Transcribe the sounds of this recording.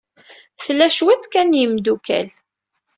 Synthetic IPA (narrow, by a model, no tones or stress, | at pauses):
θlːæʃwæθkænjəmd̪ukæ̰l